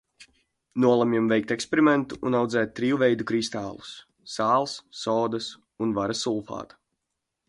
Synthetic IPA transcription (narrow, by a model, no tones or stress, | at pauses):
nuɔlˠamʲimvɛjkt̪ekspeɾimɛnt̪uːnawd̪zɛːt̪̚ʲːɾiːwuvɛjd̪ukɾist̪aːlˠusː | aːlˠsːɔːd̪as | unvaɾasulˠfa̰ːt̪